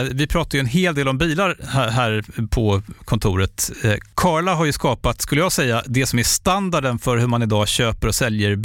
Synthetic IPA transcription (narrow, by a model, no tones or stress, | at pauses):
vɪpʰɾɑːt̪ajɵɛnɦeːld̪eːlɔmbiːlaɾhɦæːɾpʰɔkʰɔnt̪ʰʊːɾət̪kʰɑːɭaɦaɾjɵskɑːpat̪skɵləjɑːɡsɛjːad̪ɛsɔmæʂt̪and̪aɖənfœɾhɵɾmanɪd̪ɑːɕøːpəɾɔsɛljəɾ